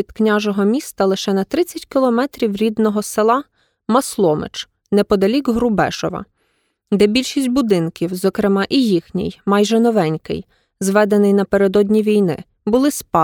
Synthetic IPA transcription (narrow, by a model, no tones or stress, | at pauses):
id̪knʲaʒɔɦɔmʲist̪ɐlˠɪʃɛnɐt̪ɾɪt͡sʲːɐtʲkʲɪlˠɔmɛt̪ɾʲiwɾʲid̪nɔɦɔselˠɑ | mɐslˠɔmɪ̰t͡ʃ | nɛpɔd̪ɐlʲikɦɾʊbɛ̰ʃɔ̰ʋɐ̰ | d̪ɛbʲilʲʃisʲtʲbʊd̪ɪnkʲiwzɔkɾɪmɑʔijixnʲḭjmɑjʒɛnɔʋɛnʲkɪ̰j | zʋɛd̪enɪjnɐpeɾed̪ɔdʲnʲiʋʲijnɪ̰ | bʊlˠɪspɑ